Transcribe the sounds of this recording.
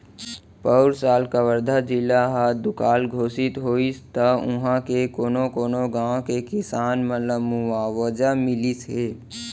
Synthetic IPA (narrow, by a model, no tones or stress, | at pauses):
pəʊɾsaːlkaʋəɾd̪ʱad͡ʒɪlːaɦaːd̪ʊkaːlɡʱoːsɪt̪ɦoːist̪əʊɦãkekoːnõkoːnoɡaːõkekɪsaːnməəmuaːwəd͡ʒamɪliseː